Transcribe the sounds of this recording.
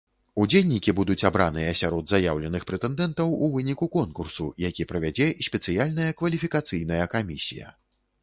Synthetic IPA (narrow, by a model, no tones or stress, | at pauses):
ud͡zʲelʲnʲikʲibud̪ut͡sʲabɾanɨjɐsʲaɾɔd̪zajawlʲɛnɨxpɾɛt̪ɛnd̪ɛnt̪ɐwuvɨnʲikukɔnkursujakʲipɾɐvʲad͡zʲɛisʲpʲɛt̪sɨjalʲnɐjɐkvɐlʲifʲikat̪sɨjnɐjɐkamʲisʲḭjɐ̰